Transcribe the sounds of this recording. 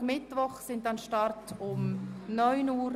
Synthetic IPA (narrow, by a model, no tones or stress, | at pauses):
mɪtvɔχsɪntɑnʃtɑrtʊmnœʏnuːɾ